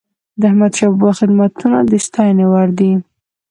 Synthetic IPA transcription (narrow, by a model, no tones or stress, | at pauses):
d̪əahmad̪ʃɑbbaxɪd̪mat̪unad̪əʃt̪ɑjnewaɾd̪i